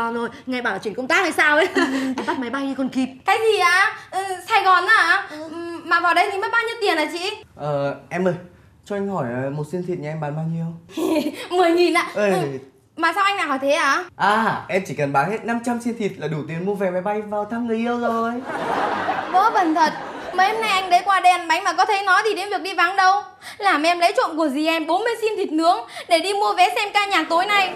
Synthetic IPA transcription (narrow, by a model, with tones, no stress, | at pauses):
ɔ˨˩zo˨˩jŋa˨˩jɓaː˧˩˨t͡ɕi˧˩˨kə˧wŋ͡mt̪aː˦˥k̚haː˧˩jsaː˧w̪a˨˩ɓa˦˥t̚ma˨˦jɓa˧jɲi˧kɔ˨˩nki˨˩t̚kaː˨˦jzi˨˩ʔaː˨˧˩ʔsaː˧jɣɔ˨˩nʔaː˨˧˦maː˨˩vaː˨˩wɗə˧jt̪ʰi˨˩məː˨˦jɓaː˧wɲi˧əwt̪i˨˩ənʔaː˨˩t͡ɕḭ˧˥ʔəː˨˩ʔɛ˧məː˨˩j | t͡ɕɔ˧ʔa˧ŋɦɔ˧˩jə˨˩mo˨˩t̚si˧ənt̪ʰi˨˩t̚ɲaː˨˧˩ɛ˧mɓaː˨˦nɓaː˧wɲi˧əw | mɨ˨˩əjɲi˨˩nʔaː˨˦ʔə˧˨˧ | maː˨˩sa˧wʔa˧jŋnaː˨˩hɔ˧˩jt̪ʰe˨˦ʔaː˨˩ʔaː˨˩ʔɛ˧mt͡ɕi˧˩kə˨˩nɓaː˨˦nhe˦˥t̚na˧mt͡ɕa˧msi˧nt̪ʰi˨˩t̚laː˨˩ɗu˧˩t̪i˨˩ənmu˧əvɛ˨˦ma˨˦jɓa˧jvaː˨˩wt̪ʰaː˧mŋɨ˨˩əjʔi˧əwzo˨˩j | və˧˦ɓə˨˩nt̪ʰə˨˩t̚ | məː˨˦jhɛ˧mna˧jʔa˧jŋ̟ɗə˨˦jkwaː˧ɗɛ˧nɓa˨˦jŋmaː˨˩kɔ˨˦t̪ʰə˨˦jnɔ˨˦jt̪ʰi˨˩ɗe˨˦nvi˨˩ək̚ɗi˧va˨˦nɗə˧w | laː˨˩mʔɛ˧mlə˨˦jt͡ɕwḭ˧˨nku˧˩əzi˨˩ʔɛ˧mɓo˨˦nmɨ˧əjsi˧mt̪ʰi˨˩t̚nɨ˨˦əŋɗe˧˩ɗi˧mu˧əvɛ˨˦sɛ˧mkaː˧ɲaː˨˩t̪o˨˦jna˧˩j